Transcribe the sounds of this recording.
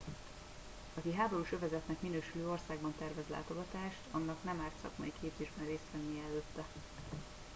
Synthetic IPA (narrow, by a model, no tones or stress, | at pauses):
ɒkiɦaːbo̞ɾuːʃø̞vɛzɛt̪nɛkminøːʃyløːo̞rsaːɡbɒnt̪ɛrvɛzla̰ːt̪o̞ɡɒt̪aːʃt̪ʰɒnːɒknɛmaːt̪sɒ̰kmɒ̰ikʰeːbzeːʒbɛnreːst̪fɛnːijɛɛløːt̪ːɛ